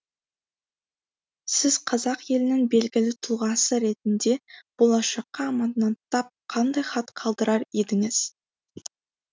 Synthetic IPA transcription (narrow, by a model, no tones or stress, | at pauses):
sɪz̥qʰɑzɑqje̞lɪnɪŋbe̞lɡʲɪlɪt̪ʰuʁɑsəɾe̞t̪ɪnd̪e̞b̥o̞lˠɑʃɑqːɑːmɑt̪nɑnt̪ʰɑp̚qʰɑnd̪ɑjχɑt̪qʰɑlˠd̪əɾɑɾe̞d̪ɪŋɪz̥